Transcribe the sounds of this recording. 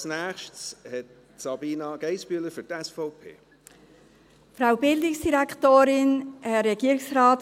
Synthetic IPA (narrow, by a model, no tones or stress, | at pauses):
snæːxʃtshɛt̚ | sɑbiːnɑɡ̥eɪsbyːləfətɛsfoʊpʰḛː | fɾaʊbɪldɪksd̥iɾɛktoːɾɪnhɛɛɡ̥iəɾɪksraːt